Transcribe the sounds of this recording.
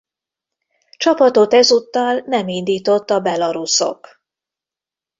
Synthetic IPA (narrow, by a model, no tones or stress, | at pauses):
t͡ʃɒpɒt̪o̞t̪ɛzut̪ːɒlnɛmind̪iːt̪o̞t̪ːɒbɛlɒɾuso̞̰k